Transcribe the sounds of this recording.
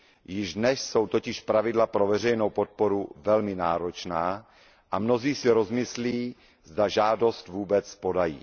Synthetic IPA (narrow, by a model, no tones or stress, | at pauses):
jɪʒdnɛʃso̞wt̪o̞cɪʃpɾavɪdlapɾo̞vɛr̝ɛjno̞wpo̞t̪̚po̞ɾuvɛlmɪnaːɾo̞t͡ʃnaː | ʔamno̞ziːsɪɾo̞zmɪsliː | zdaʒaːdo̞st̪vuːbɛt͡spo̞dajḭː